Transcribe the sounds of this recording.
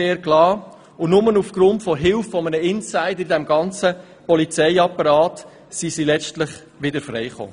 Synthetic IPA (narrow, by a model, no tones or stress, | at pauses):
eːɾklɑː | ʊnʊmənufɡ̥ɾʊntfɔɦɪlffɔmənəɪnsaɪdəɾidɛmɡɑnt͡sə | pɔlit͡sɛɪɑpːɑɾɑːt | sisilɛt͡ʃtlɪχ | ʋɪdəɾfrɛɪχo̰ː